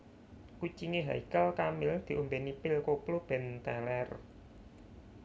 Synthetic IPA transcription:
kut͡ʃiŋeɦa̰ikalkamɪld̪̥i̤ʔumbenipɪlkoplob̥ɛ̤nt̪alɛr

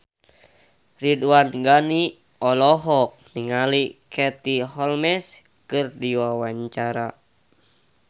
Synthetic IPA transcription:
riduwanɡani | ɔlɔɦɔk̚niŋalikʰɛt̪iɦɔlmɛs | kɨrdiwawaɲt͡ʃaɾa

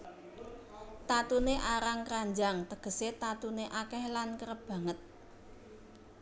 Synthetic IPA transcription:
t̪at̪uneʔaɾaŋkɾaɲd͡ʒaŋt̪əɡ̥ə̤set̪at̪uneʔakɛhlankəɾəb̥ä̤ŋət̪̚

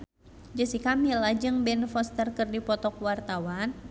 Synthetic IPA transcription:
d͡ʒəsikamilad͡ʒɨŋbɛnfɔst̪ərkɨrdipɔt̪ɔkwart̪awan

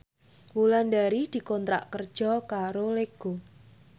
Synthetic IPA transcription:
wuland̪aɾid̪̥i̤kɔnt̪ɾa̰ʔkərd̥ʒ̥ɔkaɾoleɡ̥o

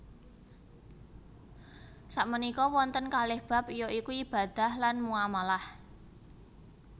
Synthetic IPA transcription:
saʔmənikɔwɔnt̪ənkalɪhb̥a̤pijoʔikuib̥a̤d̪̥a̤hlanmuamalah

